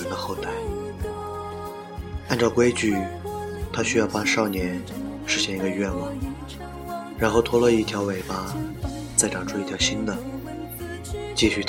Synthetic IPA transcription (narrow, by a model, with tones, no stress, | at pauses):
nd̪ə˧xo˥˧ʊt̪a˥˩ɪ | a˥˧nʈ͡ʂɑ˥˧ʊkwe˥ɪt͡ɕy˥˩ | t̪ʰa˥ɕy˥jɑ˥˧ʊpa˥ʂɑ˥˩ʊnjɛ˧˥nʂɻ̩˥ɕjɛ˥˩ni˧˥ɡə˧ɥɛ˥˧nwɑ˥˩ŋ | ɻa˧˥nxo˥˩ʊt̪ʰwɔ˥lə˧i˥˩t̪ʰjɑ˧˥ʊwe˨˩ɪpa˥ | t͡sa˥˩ɪʈ͡ʂɑ˨˩ʈ͡ʂʰu˥i˥˩t̪ʰjɑ˧˥ʊɕi˥nd̪ə˨ | t͡ɕi˥˧ɕy˥˩t̪